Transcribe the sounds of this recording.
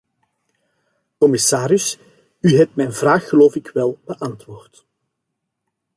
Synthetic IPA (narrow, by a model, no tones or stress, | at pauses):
kɔmɪsaːɾɪs | yɦɛp̚tmɛjnvraːxːəloːfɪkʋɛlˠb̥əʔɑntwoːrt